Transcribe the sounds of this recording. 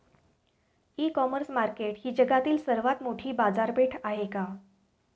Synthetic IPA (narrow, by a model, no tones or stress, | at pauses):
ikɔməɾsmaɾkeʈhiːd͡ʑəɡat̪iːlsəɾʋat̪moʈʰiːbad͡zaɾbʱeʈʰaɦeka